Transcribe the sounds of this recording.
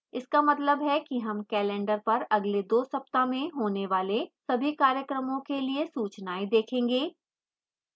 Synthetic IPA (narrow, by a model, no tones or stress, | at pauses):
ɪskamɐt̪ləbɦɛkiɦɐmkɛːlɛ̃ːɳɖəɾpɐɾɐɡled̪oːsɐpt̪amẽɦoːneʋaːlesɐbʱikaːɾjəkɾəmõkeliesuːt͡ʃnaːid̪eːkʰẽːŋɡeː